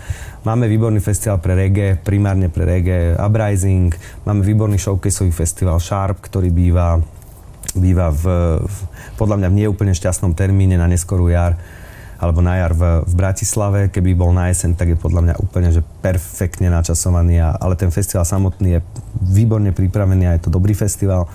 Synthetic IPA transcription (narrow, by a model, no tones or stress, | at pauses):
maːmɛʋiːbɔɾniːfɛst̪iʋaːlpɾɛɾɛɡɛpɾimaːɾɲɛpɾɛ̰ɾɛɡɛa̰bɾajziŋkmaːmɛʋiːbɔɾniʃɔʊkɛjsɔʋifɛst̪iʋaːlʃaɾp̚kt̪ɔɾiːbiːʋa | biːʋav | pɔd̪ʎamɲavɲɪɛjɛuːpl̩ɲɛfʃcast̪nɔmt̪ɛɾmiːɲɛnaɲɛskɔɾujaɾ | alɛbɔnajaːɾvvbɾacislaʋɛkɛbibɔlnaɛsɛnt̪aɡjɛpɔd̪ʎamɲa̰ʔṵːpl̩ɲɛʒɛpɛɾfɛkt̪ɲɛnat͡ʃasɔʋaniːa̰ʔa̰lɛt̪ɛnfɛst̪iʋaːlsamɔt̪niːjɛʋiːbɔɾɲɛpɾipɾaʋɛniːajɛt̪ɔd̪ɔbɾiːfɛst̪iʋaːl